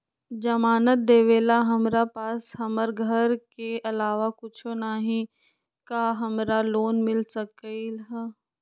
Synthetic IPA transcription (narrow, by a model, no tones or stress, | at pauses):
d͡ʒɐmaːnət̪̚d̪eːʋeːlaɦɐmɾapaːsɦɐməɾɡʱəɾkeʔɐlaːʋakʊt͡ʃʰonaːɦĩ | kaɦɐmɾaloːnmɪlsɐkiɦ